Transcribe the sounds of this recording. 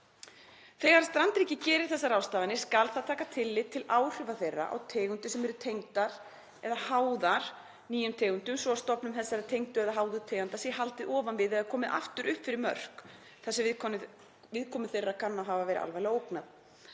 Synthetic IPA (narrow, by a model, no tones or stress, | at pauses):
θɛɣaɾ̥st̪ɾant̪ɾiːcɪcɛːɾɪɾ̥θɛsːaɾaːwst̪aːvanɪskalθaðt̪ʰaːkat̪ʰɪlːɪðt̪ʰːɪlaːwr̥ʏvaθejrːa̰ʔa̰wt̪ʰeːɣʏnt̪ʏsɛmɛɾʏt̪ʰejŋt̪aɾ̥ | ɛðahaːwðaɾ̥ | niːjʏmt̪ʰɛːɣʏnt̪ʏmsvɔast̪ɔpnʏmθɛsːaɾat̪ʰejŋt̪ʏɛðaɦaːwðʏt̪ʰɛːɣant̪asjɛhalt̪ɪʔɔːvanvɪðɛðakʰɔːmɪðʔa̰ft̪ʏɾʔʏhpfɪɾɪɾmœ̰r̥k | θasɛv | vɪðkʰɔːmʏθejrːakʰanːaɦavavɛːɾɪ̰ʔa̰lvajlɛaoːwknað